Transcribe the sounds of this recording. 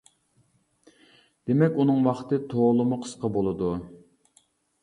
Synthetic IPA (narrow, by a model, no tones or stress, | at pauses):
d̪̥emɛkʲunɨŋwɑχt̪ɨt̪ʰolˠɨmʊqʰə̥sqɑbolˠɨd̪u